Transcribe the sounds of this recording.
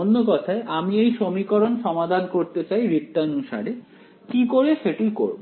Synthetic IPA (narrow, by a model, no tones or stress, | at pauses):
onːokɔt̪ʰaeʔamiejʃomikoɾonʃɔmad̪ʱankoɾt̪et͡ɕajɾit̪ːanuʃa̰ɾe | kikoɾeʃeʈijko̰ɾbo